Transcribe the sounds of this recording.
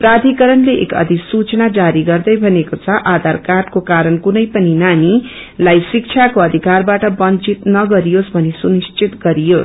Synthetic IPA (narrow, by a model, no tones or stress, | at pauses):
prad̪ʱikʌɾʌnleʔḛkʌ̰d̪ʱisut͡sʌnad͡zaɾiɡʌrd̪ʌjbʱʌnekot͡sʰʌʔad̪ʱarkaʈkokaɾʌnkunʌjpʌninani | lajsik̚t͡sʰjakoʌd̪ʱikarbaʈʌbʌnt͡sit̪nʌɡʌɾijosbʱʌnesunist͡sʰit̪ɡʌɾijos